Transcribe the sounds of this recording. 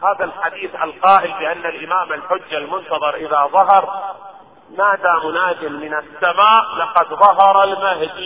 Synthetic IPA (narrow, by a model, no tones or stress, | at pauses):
haːðalħad̪iːθʔa̰lqɑːʔɪlbɪʔanːalʔɪmaːmalħʊd͡ʒːalmʊnt̪ɑðˤɑɾˤʔɪðaðˤɑɦɑɾˤ | maːd̪aːmʊnaːdɪmːɪnasːamaːʔlɑqɑd̪ðˤɑɦɑɾˤalmaɦd̪i